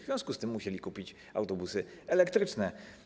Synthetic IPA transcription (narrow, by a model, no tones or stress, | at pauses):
vvʲjɔ̃skust̪ɘmːuɕelʲikupʲit͡ɕ | a̰wt̪ɔbusɘɛlɛkt̪ɾɘt͡ʂnɛ